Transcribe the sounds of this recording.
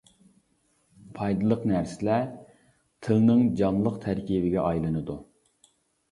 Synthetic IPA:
pʰɑjd̪ɨlˠəqnæɾsɪlɛ | t̪ʰɨlnɨŋd͡ʒɑnlˠəqt̪ʰæɾkʲivɪɡʲɛʔɑjlˠɨnɨd̪u

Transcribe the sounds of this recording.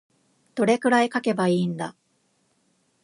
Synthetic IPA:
d̪̥o̞ɾe̞kɯ̟ɾaikake̞baiːnd̪a

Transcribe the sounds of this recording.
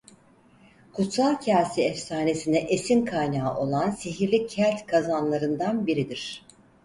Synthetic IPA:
kʰut̪salˠcʰaɾsiɛfsaːne̞sinɛʔesinkʰajnaːʔo̞lˠansiɦiɾlʲicʰːælʲt̪kʰazanlˠaɾɯnd̪anbiɾid̪iɾ̥

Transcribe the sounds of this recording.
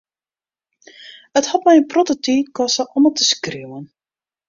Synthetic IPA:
əthɔtmɛjənprotətiːtkɔsəʔɔmətəskriwən

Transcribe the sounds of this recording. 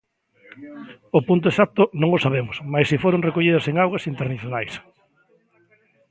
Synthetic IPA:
opunt̪̬oesak̚t̪ʊnõŋosaβemʊsmajsifoɾoŋrekoʎið̞ɐseŋawɣɐsint̪eɾniθjonajs

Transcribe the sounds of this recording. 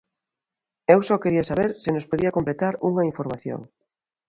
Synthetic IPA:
ewsɔkeɾiɐsaβeɾsɪnospoðiɐkomplet̪aɾuŋɐiɱfoɾmaθjo̰ŋ

